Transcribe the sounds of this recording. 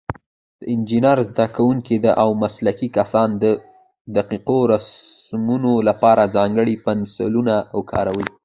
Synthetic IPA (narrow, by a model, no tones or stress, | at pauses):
d̪̥əɪnd͡ʒinaɾzd̪akawuŋked̪aʔawmaslakikasɑnd̪ə | d̪aqiqoɾas | munolapɑɾazɑŋɡəɽipansɪlunaːwkʰɑ̰ɾawəj